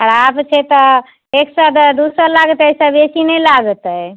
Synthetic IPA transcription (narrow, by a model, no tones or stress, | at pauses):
ɦəɾabt͡ʃʰɛt̪ɔ | eksəd̪əd̪usəɾlaɡət̪esəbesinɛlaɡət̪ə